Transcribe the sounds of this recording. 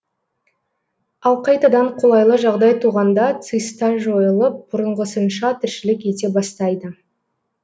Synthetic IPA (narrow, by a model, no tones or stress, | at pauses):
ɑlˠqʰɑjt̪ɑd̪ɑɴqʰo̞lˠɑjlˠəʒɑʁd̪ɑjt̪ʰuʁɑnd̪ɑt̪sɨjst̪ɑʒo̞jəlˠəp̚bʊɾəɴʁəsənʃɑt̪ʰɪɾʃɪlɪkʲet̪e̞bɑst̪ɑjd̪ə